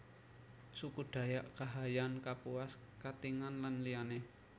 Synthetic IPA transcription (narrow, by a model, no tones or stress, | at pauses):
sukuɖ̥a̤jaʔkaɦajankapuas | kat̪iŋanlanliane